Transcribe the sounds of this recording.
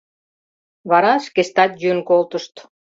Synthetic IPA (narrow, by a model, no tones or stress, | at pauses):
βɑɾɑʃkest̪ɑt̪jynkolt̪ə̆ʃt̪